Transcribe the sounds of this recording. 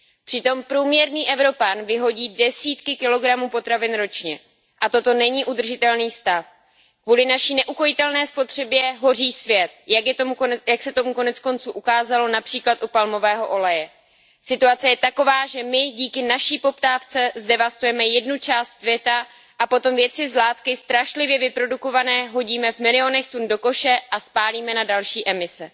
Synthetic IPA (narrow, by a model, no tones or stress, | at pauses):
pr̥ɪt̪o̞mpɾuːmɲɛɾniːʔɛvɾo̞panvɪɦo̞ɟiːdɛsiːt̪kɪkɪlo̞ɡɾamuːpo̞t̪ɾavɪnɾo̞t͡ʃɲɛ | ʔat̪o̞t̪o̞nɛɲiːʔud̪r̩ʒɪt̪ɛlniːst̪af | kvuːlɪnaʃiːnɛʔuko̞jɪt̪ɛlnɛːspo̞t̪r̝̥ɛbjɛɦo̞r̝iːsvjɛt̪̚aomjaksɛt̪o̞muko̞nɛt͡sko̞nt͡suːʔukaːzalo̞napr̝̥iːklat̪ʔupalmo̞vɛːɦo̞ʔo̞lɛjɛ | sɪt̪uat͡sɛjɛt̪ako̞vaːʒɛmɪɟiːkɪnaʃiːpo̞pt̪aːft͡sɛzdɛvast̪ujɛmɛjɛdnut͡ʃaːst̪svjɛt̪a | ʔapo̞t̪o̞mvjɛt͡sɪzlaːt̪kɪst̪ɾaʃlɪvjɛvɪpɾo̞duko̞vanɛːɦo̞ɟiːmɛvmɪlɪo̞nɛxt̪undo̞ko̞ʃɛʔaspaːliːmɛnadalʃiːʔɛmɪsɛ